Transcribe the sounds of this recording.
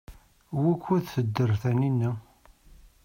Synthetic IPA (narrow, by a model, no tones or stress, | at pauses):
wækːuθθəd̪ːəɾˤθæninːi